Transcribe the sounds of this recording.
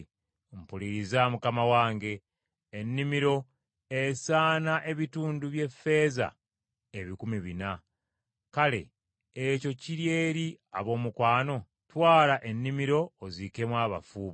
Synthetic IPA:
m̩puliɾizamukamawaːŋɡe̞ː | nːimiɾo̞ | esaːnaʔe̞βituːnduβje̞fe̞ːza̰ | eβikumiβina | kale̞̰ː | co̞ciɾje̞ːɾia̰βo̞ːmukwaːno̞ | twaːlaʔe̞nːimiɾo̞ːzike̞mwaːβa̰fuːβ

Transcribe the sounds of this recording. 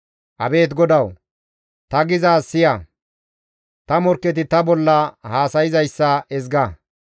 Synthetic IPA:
ʔɐbe̞ːt̪̬ɡɔd̪ɐw | t̪ɐɡɪzaːsːɪjɐ | t̪ɐmɔɾkːɛt̪̬ɪt̪ɐbɔlːɐhaːsɐjɪzɐjsːɐɛzɡɐ

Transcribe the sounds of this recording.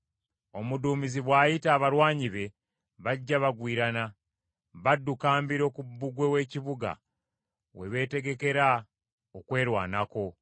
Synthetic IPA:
o̞muduːmiziβwaːjitaːβaɾwaːɲiβe̞ | βaɟːaβaɡwiːɾana | βadːukaːmbiɾo̞kubːuɡwe̞we̞ːciβuɡa̰ | we̞̰βe̞ːte̞ɡe̞ke̞ɾa | okwe̞ːɾwa̰ːnako̞

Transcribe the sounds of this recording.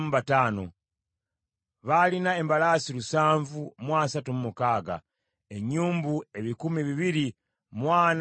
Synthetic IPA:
muβataːno̰ | βalinae̞mbalaːsilusaːɱvumwaːsatumumukaːɡa̰ | e̞ɲːuːmbue̞βikumiβiβiɾi | mwaːn

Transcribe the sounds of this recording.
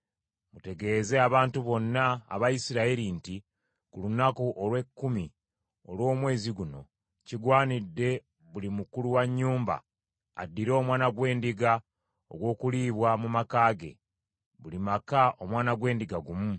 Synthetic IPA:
mute̞ɡe̞ːze̞aβaːntuβo̞nːa̰ːβajisiɾaiɾinti | kulunakuʔolwe̞kːumi | o̞̰lwo̞ːmwe̞ːziɡuno̞ | ciɡwaːnidːe̞ | βulimukuluwaɲːuːmba̰ | a̰dːiɾo̞ːmwaːnaɡwe̞ːndiɡa | o̰ɡwo̞ːkuliːβwamumakaːɡe̞̰ | βulimakaʔo̞mwaːnaɡwe̞ːndiɡaɡumu

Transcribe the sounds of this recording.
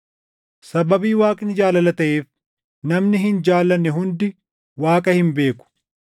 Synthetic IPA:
sɐbɐbiːwaːkʼɪnd͡ʒaːlɐlɐt̪ɐʔeːf | nɐmnɪɦɪnd͡ʒaːlːɐnːɛɦʊnd̪ɪ | waːkʼɐhɪmbe̞ːkʊ̥

